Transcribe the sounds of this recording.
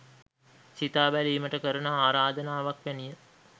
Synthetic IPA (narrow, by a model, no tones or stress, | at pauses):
sit̪aːbæliːməʈəkəɾənəaːɾaːd̪ənaːʋakʋænijə